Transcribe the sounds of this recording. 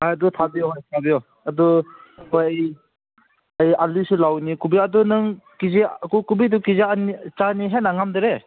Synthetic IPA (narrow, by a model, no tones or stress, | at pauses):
ajadɔtʰabijɔɦojtʰabijɔ | adɔhojaj | ajalisulawnikubiadɔnɯŋkizekukubidukizeanit͡ʃaniɦenaŋamdɯɾe